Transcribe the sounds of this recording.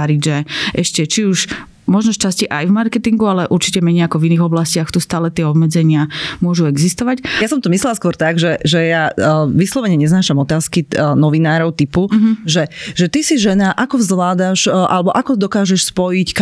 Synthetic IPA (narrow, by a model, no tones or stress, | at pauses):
aɾiɟʒɛʔɛʃcɛt͡ʃiuʃ | mɔʒnɔʃt͡ʃasciʔajvmaɾkɛt̪iŋɡualɛʔuɾt͡ʃicɛmɛɲɛakɔviniɣɔblascɪaxt̪ust̪aːlɛt̪ɪɛɔbmɛd͡zɛɲɪamʊɔʒuɛɡzist̪ɔʋacjasɔmt̪ɔmislɛlaskʊɔɾt̪aɡʒɛʒɛjaʋislɔʋɛɲɛɲɛznaːʃamɔt̪aːskinɔʋinaːɾɔʊt̪ipuɦʒɛʒɛt̪isiʒɛnaʔakɔvzlaːd̪aʃʔa̰lɛbɔʔakɔd̪ɔkaːʒɛʃspɔjick